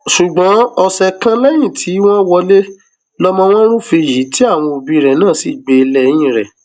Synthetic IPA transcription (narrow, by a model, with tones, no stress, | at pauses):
ʃu˨ɡ͡bɔ̃˨˦ɔ˧sɛ˧kã˦lɛ˦j̃ĩ˦˨tʰi˨˦w̃ɔ̃˦wɔ˧le˦ | lɔ˦mɔ̃˦w̃ɔ̃˦ɾ̃ũ˦fi˧˨ji˨˦ti˦a˦˨w̃ɔ̃˧o˨bĩ˧ɾɛ˨nãː˦˨si˨˦ɡ͡be˧lɛ˦˨j̃ĩ˦˨ɾɛ˨